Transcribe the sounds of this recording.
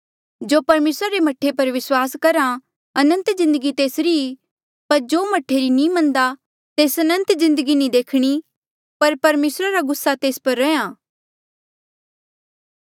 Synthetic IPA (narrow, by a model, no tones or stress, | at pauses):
d͡ʒoːpɐɾmeːsɾaɾemɐʈʰːepɐɾʋɪswaːskɐɾa | ɐnə̃nt̪zɪ̃nd̪əɡit̪eːsɾii | pɐɾd͡ʒoːmɐʈʰːeɾinĩmɐ̃nd̪a | t̪eːsɐnə̃nt̪zɪ̃nd̪əɡinĩd̪eːkʰɽ̃i | pɐɾpɐɾmeːsɾaɾaɡʊsːat̪eːspɐɾːɛjãː